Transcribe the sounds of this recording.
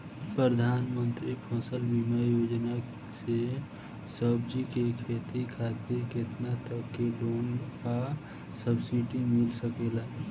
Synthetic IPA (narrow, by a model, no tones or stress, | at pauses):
pɾəd̪ʱaːnmənt̪ɾipʰɔsəlbʱimejod͡ʒna | se | səbd͡ʒikekʰeːt̪ikʰaːt̪iɾket̪nat̪əkːeloːnka | səbsiʈimɪlsəkela